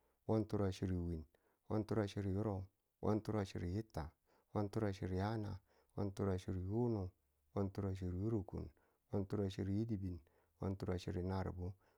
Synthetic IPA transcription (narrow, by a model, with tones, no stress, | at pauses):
wo˦ntu˦ɾa˨ʃi˨ɾi˨wi˨n | wo̰˦ntu˦ɾa˨ʃi˦ɾi˨ju˦ɾo˦˨˦ | wʔo̰˦ntu˦ɾa˦ʃḭ˨ɾi˨ji˦tːa˨ | wo˦ntu˦ɾa˨ʃḭ˨ɾi˨ja˦na˨ | wo̰˦ntu˦ɾa˨ʃi˨ɾi˨ju˦nu˨ | wo˦ntu˦ɾa˨ʃi˨ɾju˦ɾu˨kṵ˨n | wo˦ntu˦ɾa˨ʃi˦˨ɾi˨ji˦di˦˨bi˨n | wo̰˦ntu˦ɾa˨ʃḭ˦˨ɾi˨na˨ɾ̰bu˦